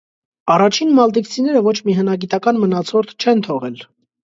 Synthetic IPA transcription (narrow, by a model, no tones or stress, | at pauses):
ɑrɑt͡ʃʰinmɑld̪ikt͡sʰinɛɾəvɔt͡ʃʰmiɦənɑɡit̪ɑkɑnmənɑt͡sʰɔɾt̪ʰt͡ʃʰɛnt̪ʰɔʁɛl